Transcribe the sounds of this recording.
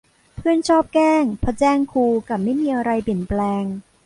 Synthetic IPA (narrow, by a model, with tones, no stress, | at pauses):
pʰɯ˥˩ənt͡ɕʰɔː˥˩p̚kɛː˥˩ŋpʰɔ˧t͡ɕɛː˥˩ŋkʰuː˧ka˨˩p̚ma˥˩jmiː˧ʔa˧ɾa˧jpi˩ənplɛː˧ŋ